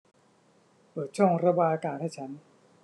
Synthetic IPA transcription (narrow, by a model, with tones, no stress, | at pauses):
pɤː˨˩t̪̚t͡ɕʰɔ˥˩ŋɾa˧baː˧jʔa˧kaː˧˩nhaː˥˩jt͡ɕʰa˦˥n